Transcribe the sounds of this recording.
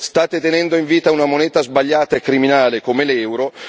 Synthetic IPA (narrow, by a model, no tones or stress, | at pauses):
st̪aːt̪et̪enɛnd̪oiɱviːt̪aunamonɛːt̪azbaʎːaːt̪aekːɾiminaːlekomelɛwɾo